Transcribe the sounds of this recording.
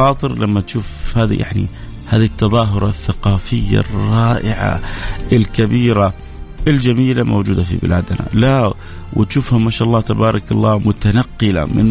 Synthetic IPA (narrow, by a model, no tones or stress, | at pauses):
ɑːt̪ˤɨɾlamːat̪ʃuːfhaːðḭja̰ʕnḭ | haːðit̪ːɑðˤɑːɦʊɾˤɑθːaqɑːfɪjːa̰rrˤːɑːʔɪʕa̰ʔɪlkabiːɾa | ʔɪld͡ʒamiːlamo̰wd͡ʒuːd̪afḭbɪ̰laːd̪na̰la | wʔɪt̪ʃuːfhamːaʃaːʔɑlˤːɑːt̪abɑːɾˤɑkɑlːaːmʊt̪anaqːɨla̰mɪ̰n